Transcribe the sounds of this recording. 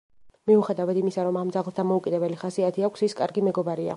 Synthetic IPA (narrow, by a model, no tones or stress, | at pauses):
miuχɛd̪avad̪imisaɾɔmamd̪zaʁlˠsd̪amɔukʼid̪ɛbɛliχasiat̪ʰiakʷʰsiskʼaɾɡimɛɡɔbaɾia̰